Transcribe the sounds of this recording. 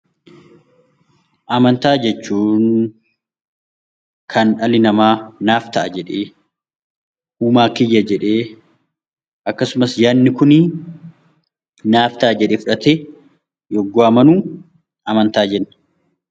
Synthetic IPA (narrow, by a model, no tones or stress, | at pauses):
ʔɐmɐnt̪aːd͡ʒɛt͡ʃːuːn | kʰɐnɐlɪnɐmaːnaːft̪ɐʔɐd͡ʒɛᶑeː | ʔuːmaːkɪjːɐd͡ʒɛᶑeː | ʔɐkːɐsʊmɐsjaːnːɪkʊnɪ | naːft̪aːd͡ʒɛᶑɛfʊᶑɐt̪e | jɔɡːoɐmɐnuː | ɐmɐnt̪aːd͡ʒɛnːɐ̥